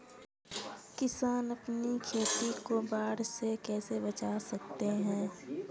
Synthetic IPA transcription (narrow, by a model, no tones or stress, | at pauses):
kɪsaːnɐpnikʰeːt̪ikobaːɽsekɛːsebɐt͡ʃasɐk̚t̪eɦɛ̃ː